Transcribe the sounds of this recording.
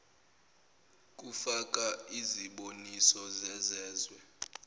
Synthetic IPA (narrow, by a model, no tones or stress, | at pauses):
k̬ʼufak̬ʼaiziɓonisɔzɛzɛːzwɛ